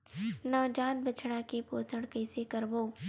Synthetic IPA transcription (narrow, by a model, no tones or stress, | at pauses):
naːd͡ʒaːd̪̚bət͡ʃʰɽakepoːt̪ʰəɽkɐɪsekəɾboː